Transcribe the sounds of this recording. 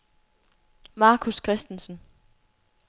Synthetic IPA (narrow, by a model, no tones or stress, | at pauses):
mɑ̈ːkʰuskʰʁɛsd̥en̩sn̩